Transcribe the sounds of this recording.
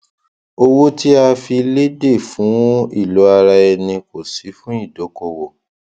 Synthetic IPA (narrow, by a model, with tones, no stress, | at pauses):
o˧wo˦ti˦a˧fi˧le˦de˦˨fũ˨˦ḭ˦˨lo˨˦a˧ɾa˧ɛ˧nĩ˧ko˨si˨˦fũ˦i˦˨do˨˦ko˧wo˨